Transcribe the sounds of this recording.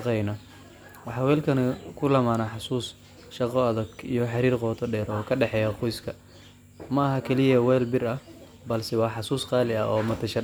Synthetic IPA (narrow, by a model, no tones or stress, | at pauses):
qɛjnɐ | wɑħɑːwɛːlkʰɐnɐkʰʊlɐmaːnaħɑsuːs | ʃɑqɔɐðɐɡḭjɔħɑɾiːrqɔːt̪ʰɔɖɛːɾɔːkʰɐɖɛħɛːjɐqɔjskʰɐ | mɐɐɦɐkʰɛlɪjɐwɛːlbɪrɐ | bɐlsɛwɑːħɑsuːsqɑːlɪɐ̰ʔɔːmɐt̪ʰɐʃɐ